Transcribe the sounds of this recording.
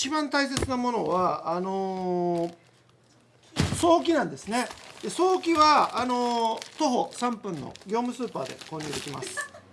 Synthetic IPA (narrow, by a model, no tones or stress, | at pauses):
t͡ɕibãnt̪ais̬e̞t͡sɨnamo̞no̞βaːno | so̞ːk̬ʲinãnd̪esɨne̞d̪eso̞ːkʲiβaːno̞t̪o̞ɦo̞sãmpɯ̟̃nːo̰ɡʲo̞ːmɯ̟sɨːpaːd̪e̞̰ko̞ːɲʲeːd̪e̞kʲima̰sɨ̥